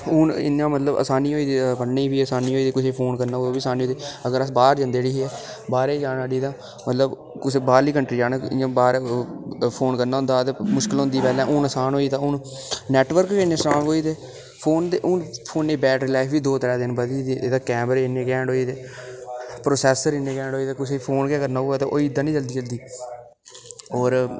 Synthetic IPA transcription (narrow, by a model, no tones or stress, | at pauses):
ʊːnɪ̰nãːmət̪ləbə̰saːniːɦoːiːd̪eːbənneːiːbiːəsaːniːɦoːiːd̪eːkʊseːpʰoːnkəɾnaːoːbiːsaːniːoːd̪eːəɡəɾəsbaːɾd͡ʒə̃nd̪eːɽiːɦiɛː | baːɾeːd͡ʒaːnaːɽiːd̪ãː | mət̪ləb | kʊseːbaːliːkəɳʈɾiːd͡ʒaːnaɪãːbaːɾ | pʰoːnkəɾnaːʊ̃nd̪aːt̪eːmʊʃkɪlõnd̪iːpɛːlɛ̃ːʔʊːnəsaːnɦoːiːt̪ãːʊn | nɛːʈʋəɾkkenːẽːsɾaːɳoːiːt̪eː | pʰoːnd̪eːʔʊnpʰoːnːeːbɛːʈɾɪlaːɪfʋiːd̪oːt̪əɾɛ̃ːd̪ɪnbəd̪iːd̪eeːd̪aːkɛ̃ːməɾɪnːẽːkɛ̃ːɳɖɦoːiːt̪eː | pɾoːsɛːsəɾɪnẽːkɛ̃ːɳɖɦoːiːt̪aːkʊseːpʰoːnkãːkəɾnaːoːaːt̪ːʔoːiːd̪ːãːnĩːd͡ʒəld̪iːd͡ʒəld̪iː | ɔːɾ